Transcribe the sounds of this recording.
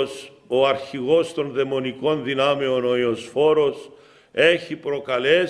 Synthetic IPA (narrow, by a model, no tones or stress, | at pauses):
s | o̞ɐɾçiɣo̞st̪o̞nðe̞mo̞niko̞nðinɐmeo̞no̞iosfo̞ɾo̞s | e̞çipɾo̞kɐle̞